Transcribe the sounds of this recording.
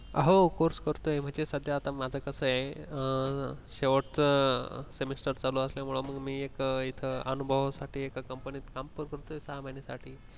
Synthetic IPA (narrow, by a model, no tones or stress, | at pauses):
əɦokoɾskəɾt̪ojem̤əɳd͡ʑesəd̪ʱjaːt̪amad͡zʱakəsəje | ɕeʋəʈt͡səsemisʈəɾt͡saloəsljamuɭoməɡmiːekit̪ʰəənubʱəʋsaʈʰiːekakəmpəniːt̪kampəɾkəɾt̪oesaɦmanisaʈʰiː